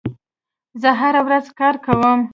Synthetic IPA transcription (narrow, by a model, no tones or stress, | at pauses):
zəɦaɾawɾazkɑɾkawəm